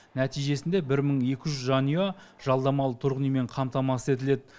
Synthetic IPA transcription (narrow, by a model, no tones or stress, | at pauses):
næt̪ijʒe̞sɪnd̪e̞bɪɾməɴje̞kʲɪʒʏzʒɑnijaʒɑlˠd̪ɑmɑlˠət̪ʰʊɾʁənijme̞ɴqʰɑmt̪ɑmɑsəe̞t̪̬ɪle̞d̪ɪ